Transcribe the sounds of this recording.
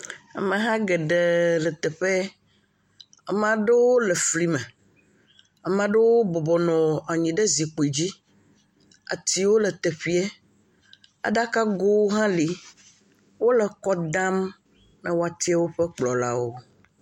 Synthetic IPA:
a̰˨mẽ˨ɦã˦ɡe˨ɖe˨lə˨t̪e˨ɸe˦ | a˨mã˨ɖe˦wo˦le˨fli˦mɛ˨ | a˨mã˦ɖe˦wo˦bɔ˨bɔ˨nɔ̃˨a˨ɲĩ˨ɖe˦zi˨k͡po˨i˨d͡ʑi˦ | a̰˨t̪i˦wo˦le˨t̪e˨ɸi˦ɛ˦ | a̰˨ɖa˦ka˦ɡo˦wo˦ɦã˦li˨ | wo˦le˨kɔ˦d̪ã˦m | na˦wo˦a˨t̪i˦a˦wo˦ɸe˦k͡plɔ˨la̰˦wo˦

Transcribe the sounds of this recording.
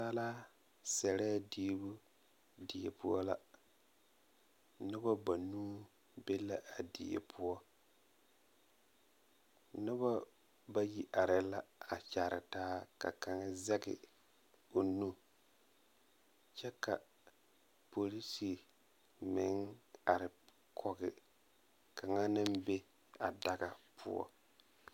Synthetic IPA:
sa˦laː˦ | sɛ˨ɾɛː˦˨diː˦bʊ˦ | dɪ˨e˨pʊ˦ɔ˦la̰˨ | nɪ˦ba˦ba˨nuː˦ | be˦la˦ʔa˨dɪ̰˨ḛ˨pʰʊ˦ɔ˦ | nɪ˦ba˦ | ba˦ji˨ʔa˨ɾɪ˨la˦a˨t͡ʃa˨ɾɪ̰˨taː˦ka̰˨ka˨ŋ˦zɛ˦ɡɪ̰˨ | o˨nu˦ | t͡ʃɛ˦ka̰˨ | po˨li˦si˨ | mɪ˨˦ŋa˨ɾɪ˨ | kʰɔ˨ɡɪ̰˨ | kʰa˨ŋa˦nɪ˦mbe˦ | a˨da˦ɡa˨pʰʊ̰˦ɔ̰˦

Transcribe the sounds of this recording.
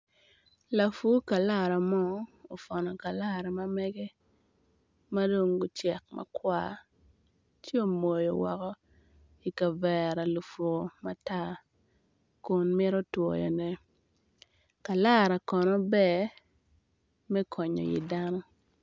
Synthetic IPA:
la˨fu˦ka˨la˦˨ɾa˨mɔː˦˨fɔ˨nɔ˨ka˨la˦ɾa˨ma˦mɛ˦ɡɛ˦ | ma˦do˦ŋɡʊ˦t͡ʃɛ˨k̚mʔa̰˨kwa̰˦˨ | t͡ʃi˦o˨mo˨jo˨wɔ̰˨kɔ˦ | i˨ka˨vɛ˨ɾa˨lu˨fo˨ma˦ta˦ | kʊ˨nmɪ˦ɾo˦two˨jɔ̰˨nɛ˨ | ka˨la˦ɾa˨kɔ˨nɔ˦bɛ˦˨ | mɛ˦kʰɔ˨ɲɔ̰˨jḭ˨da˦nɔ˦

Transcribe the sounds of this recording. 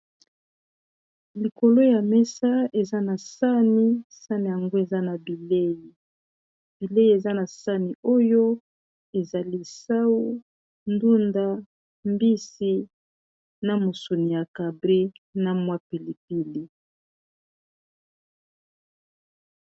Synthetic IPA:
li˨ko˨lo˦ja˨mɛ˦sa˦e˨za˦na˨sa˦ni˦sa˦ni˨ja˨ŋɡo˦e˨za˦na˨bi˨le˦ji˨ | b̥i˨le˦ji˦e˨za˦na˨sa˦ni˨o˦jo˦ | e˨za˨li˦sa˦wu˦ | ndu˦nda˦ | mbi˦si˦ | na˦mo˨so˨ni˨ja˨ka˨bʁi˦na˨mwa˦pi˨li˨pi˦li˦

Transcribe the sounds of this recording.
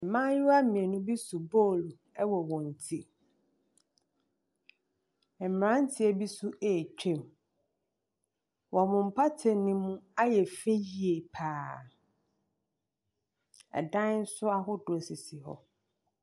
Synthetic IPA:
mã˦jɪ˦wa˦m̩˦mĩ˨e˨nʊ̃˦bi˦su˨bo˦˨lu˨ | ɛ˦wɔ˨wɔ̃˨n̩˨tʰi˦ | ɛ˨m̩˨ɾã˦n̩˦tʰɪ˦ɛ˨bi˦su˦ʔeː˨t͡ɕᶣɛ̃˦˨m | wɔ˨mʊ̃˨m̩˨pʰa˦tʰɛ̃˨nɪ̃˦mũ˦a˦jɛ˨fe˦ji˨e˨pʰaː˨ | ɛ̰˨dã˦n̩˦sʊ˦a˦ɦʊ˦dʊ˨sɪ˨si˨ɦɔ̰˨

